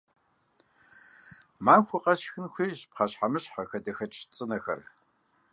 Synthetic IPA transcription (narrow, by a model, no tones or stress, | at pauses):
maːnxʷʊqʼɐɕxɨnxʷiːʑpχaɕħamɨɕħaxɐdɐxɐt͡ʃʼʰt͡sʼɨnɐxɐ̰r